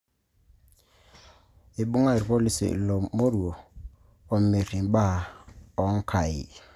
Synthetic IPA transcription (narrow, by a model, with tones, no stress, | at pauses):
e˨bu˦ŋa˦˨i˨ɾpɔ˦˨li˦sḛ˨lɔ˨mo˦ɾu˨o˨ | ɔ˨me˨ɾi˨ba˦˨ɔ˨˦ŋ˦kʰa˨ḭ˨